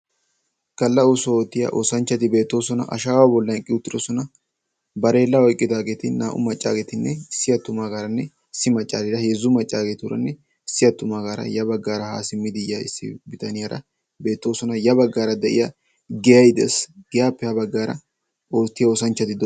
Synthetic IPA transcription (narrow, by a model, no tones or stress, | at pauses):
kɐlːɐosɔoːt̪ːɪjɐ̰ːʔo̰ːsɐnt͡ʃːɐt̪ɪbe̞ːt̪ːo̞ːsɔnɐ̰ʔɐ̰ʃaːwaːbɔlːɐkʼɪʊt̪ːɪɾɔsɔnɐ | bɐɾe̞ːlːɐɔjkʼːɪd̪aːɡeːt̪ɪnːaːʔʊmɐt͡ʃʼːa̰ːɡeːt̪ɪnːɛɪsːɪjɐt̪ːʊmaːɡaːɾɐnːɛ | ɪsːɪmɐt͡ʃʼːaːɾɪɾɐhezːʊmɐt͡ʃʼːaːɡeːt̪ɪʊɾɐ̰nːɛ | ɪsːɪjɐt̪ːʊmaːɡaːɾɐ̰jɐbɐɡːaːɾɐhaːsɪmːɪd̪ɪjaɪ̰sːɪ̰bɪt̪ɐnɪjaɾɐ̰ | be̞ːt̪ːo̞ːsɔnɐjɐbɐɡːaːɾɐd̪ɛʔɪ̰ja | ɡɛjɐjd̪ɛsɡ̥ɛjaːpːɛhɐbɐɡːaːɾɐ̰ | oːt̪ːɪjɐoːsɐnt͡ʃːɐt̪ɪd̪